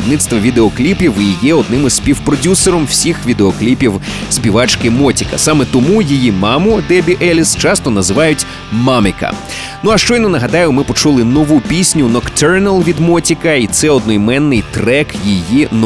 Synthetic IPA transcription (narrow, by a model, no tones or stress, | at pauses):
d̪nɪt̪st̪ʋɐʋʲid̪eɔklʲipʲiwijɛɔd̪nɪmɪzsʲpʲiwpɾɔdʲuseɾɔmwsʲixʋʲid̪eɔklʲipʲiwsʲpʲiʋɑt͡ʃkɪmɔtʲi̥kɐ̰sɑmɛt̪ɔmujijimɑmʊd̪ɛbʲiʔɛlʲist͡ʃɑst̪ɔnɐzɪʋɑjʊtʲ | mɑmɪkɐ̰ | nuɐʃt͡ʃɔjnɔnɐɦɐd̪ɑjʊmɪpɔt͡ʃulˠɪnɔʋupʲisʲnʲʊnɔkt̪ʰɛɾnɐlˠʋʲid̪mɔtʲikɐit̪sɛɔd̪nɔjmɛnːɪjt̪ɾɛkjijin